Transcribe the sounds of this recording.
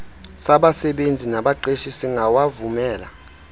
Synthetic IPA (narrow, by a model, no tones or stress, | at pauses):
saɓasɛɓend͡zʱinaɓaǃeʃisiŋɡʱawavumɛːla̰